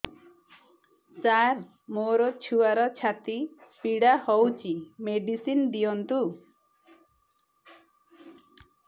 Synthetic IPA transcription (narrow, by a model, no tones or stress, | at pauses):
t͡ʃaɾ | moɾɔt͡ʃʰuaɾɔt͡ʃʰat̪ipiɽahowt͡ʃʰimeɖisind̪ijɔnt̪u